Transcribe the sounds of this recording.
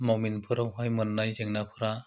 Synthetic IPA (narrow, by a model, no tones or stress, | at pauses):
mawminpʰɯɾawɦajmɯnːajzeŋnapʰɯɾa